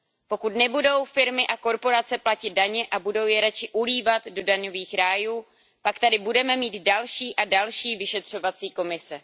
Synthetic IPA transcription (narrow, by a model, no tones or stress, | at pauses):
po̞kut̪nɛbudo̞wfɪɾmɪʔako̞ɾpo̞ɾat͡sɛplacɪd̪̚daɲɛʔabudo̞wjɛɾat͡ʃɪʔuliːvat̪do̞daɲo̞viːxɾaːjuː | pakt̪adɪbudɛmɛmiːt̪dalʃiːʔadalʃiːvɪʃɛt̪r̝̥o̞vat͡siːko̞mɪsɛ